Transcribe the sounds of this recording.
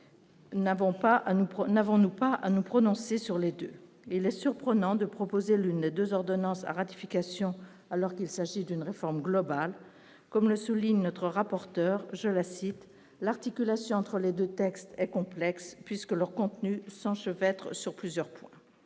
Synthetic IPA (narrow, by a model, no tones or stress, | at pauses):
nvɔ̃paunavɔ̃nupaʔa̰nupχɔnɔ̃sesyʁled̪ø | ilɛsyʁpχənɑ̃d̪əpχɔpozelynd̪ed̪øzɔʁd̪ɔnɑ̃sa̰ʁat̪i̥fikasjɔ̃ | alɔʁkilsaʒid̪ynʁefɔʁmɡlɔbal | kɔmləsuliɲnɔt̪χəʁapɔʁt̪œːʁʒəlasit̪ | laʁt̪ikʲylasjɔ̃ɑ̃t̪χəled̪øt̪ɛkst̪ɛkɔ̃plɛkspɥiskəlœʁkɔ̃t̪nysɑ̃ʃəvɛt̪χəsyʁplyzjœʁpwɛ̃